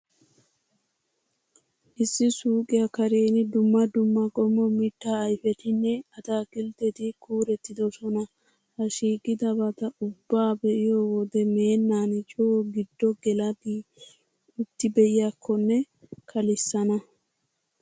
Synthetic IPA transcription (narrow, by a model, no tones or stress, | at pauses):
ʔɪsːɪsuːkʼɪjakɐɾeːnɪd̪ʊmːɐd̪ʊmːɐkʼɔmːɔmɪt̪ːaɐjfɛt̪ɪnːɛɐt̪aːkɪlt̪ɛt̪ɪkʰuːɾɛt̪ːɪd̪ɔsɔnɐ | hɐʃiːkʼːɪd̪ɐbɐt̪ɐʔʊbːaːbɛʔɪjoːwɔd̪ɛme̞ːnːaːnɪt͡ʃʼoɡɪd̪ːɔɡɛlɐd̪i | ʊt̪ːɪbɛjɪjakːɔnːɛ | kʰɐlɪsːɐnɐ